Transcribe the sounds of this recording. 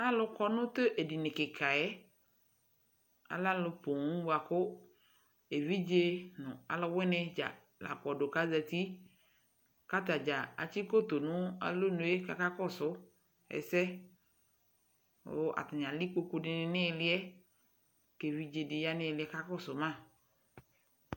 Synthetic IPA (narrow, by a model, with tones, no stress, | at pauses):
a˦lʊ˦kɔ˦nʊ̃˦t̪e˦ʔe˨di˨nɪ̃˨kɪ˨kʰa˨ɛ˦ | a̰˨la˦lʊ˨po˨ũ˦ba˨kʊ˦ | e˨vi˦d͡ʒe˦nʊ̃˨a̰˨lʊ˦wɛ˦nɪ̃˦d͡ʒa̰˨ | la̰˨k͡pɔ˨do˨ka˦za˨t̪i˦ | ka˦t̪̬a˨d͡ʒa˨a̰˨t͡ʃi˦ko˦t̪o˨nʊ̃˦a̰˨lo˦nʊ̃˨e˦ka˨ka˦kɔ˦sʊ˦ | ɛ̰˨sɛ˦ | ʊ̰˦ʔa̰˨tɪ˨ɲ˨ã˨li˦k͡po˦ku˦dɪ˨nɪ˦nɪ̃˦˨˦lɪ˦ɛ˦ | ke˨vi˦d͡ʒe˨dɪ˨ja˦nɪ̃˦˨lɪ˨˦ɛ˦ka˦kɔ˦˨sʊ˨mã˦˨